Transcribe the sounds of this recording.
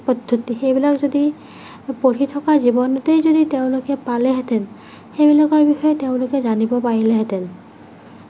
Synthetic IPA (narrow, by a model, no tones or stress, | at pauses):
pɔdʱːotixejbilakzodi | poɹitʰɔkazibɔnɔtejzoditeʊ̃lʊkɛpalɛɦɛtɛn | xejbilakɔɹbixɔjɛteʊ̃lʊkɛzanibɔpaɹilɛɦɛtɛn